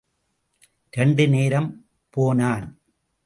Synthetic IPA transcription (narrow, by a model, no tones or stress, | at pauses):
ɾɛɳɖɯneːɾɐm | poːnaːn